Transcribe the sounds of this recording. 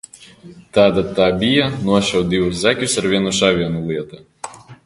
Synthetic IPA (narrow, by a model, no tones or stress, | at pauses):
t̪ɑːd̪at̪ɑːbʲijanuɔʃɛwd̪ʲiwus̬zækʲusaɾvʲiɛnuʃaːvʲiɛnulˠʲiɛt̪a